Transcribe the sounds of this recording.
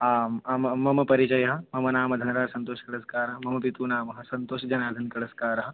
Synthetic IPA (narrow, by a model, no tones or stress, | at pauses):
aːmmɐmɐmɐpɐɾit͡ʃɐjɐɦɐ̆mɐmɐnaːmɐd̪ʱɐnɐɾaːɾsɐnt̪oːʃɐ̥kɐɽɐskaːɾɐɦɐmɐmɐpit̪uːnaːmɐɦɐ̆sɐnt̪oːʃɐd͡ʒɐnaːd̪ʱɐnkɐɽɐskaːɾɐɦɐ̆